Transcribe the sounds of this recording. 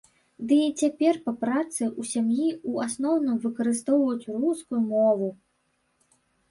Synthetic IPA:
d̪ɨːt͡sʲapʲɛrpɐpɾat̪sɨusʲamjiuasnɔwnɨmvɨkɐɾɨst̪ɔwvɐjut͡sʲruskujumɔvu

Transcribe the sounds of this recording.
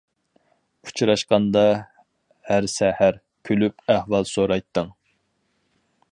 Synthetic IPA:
u̥t͡ʃʰɾɑʃqɑnd̪ɑ | hæɾsɛhæɾ | kʲʰølypæhwɑlˠsoɾɑjt̪ʰːɨŋ

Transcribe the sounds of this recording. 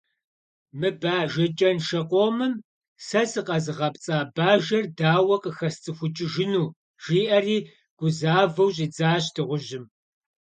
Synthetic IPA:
mɨbaːʒɐt͡ʃʼɐnʃɐqʷʼoːmɨm | sɐsɨqɐzɨʁɐpt͡sʼaːbaːʒɐrdaːwɐqəxɐst͡sʼɨxʷʊt͡ʃʼɪʒɪnuː | ʒ̥iːʔɐriː | ɡ̥ʷʊzaːvɐwʑʼiːd͡zaːɕtʰɨʁʷʊʒɪm

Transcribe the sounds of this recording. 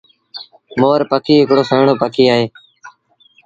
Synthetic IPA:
moːɾpəkiːɪkɽoːsəːɳoːpəkiːaːɦeː

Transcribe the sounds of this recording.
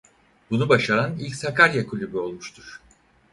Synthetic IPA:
bunubaʃaɾanilʲcʲsakʰaɾjakʰulʲybyo̞lˠmuʃt̪ʰuɾ̥

